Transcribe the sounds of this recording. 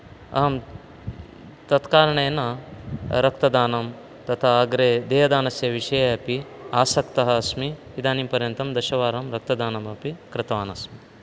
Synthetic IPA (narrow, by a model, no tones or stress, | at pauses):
ɐ̰ɦɐm | t̪ɐt̪kaːɾɐɳeːnɐ | ɾɐkt̪ɐd̪aːnɐm | t̪ɐt̪ʰaɐɡɾed̪eːɦɐd̪aːnɐsjɐʋiʃɐjɐɐpiaːsɐkt̪ɐɦɐːsmiʋid̪ʱaːniːmpɐɾjɐnt̪ɐmd̪ɐʃɐʋaːɾɐmɾɐk̚t̪ɐd̪aːnɐmɐpikɾɪt̪ɐʋaːnɐsmi